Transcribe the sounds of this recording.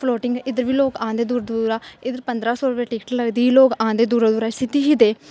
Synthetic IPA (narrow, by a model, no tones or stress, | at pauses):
pʰloːʈɪŋɡɪd̪əɾʋiːloːkãːnd̪eːd̪uːɾd̪uɾaːɪd̪əɾpənd̪ɾaːsɔːɾʊpeːʈiːkʈləɡd̪iːiːloːkãːnd̪eːd̪uːɾd̪uːɾaːsɪt̪iːɦiːd̪eː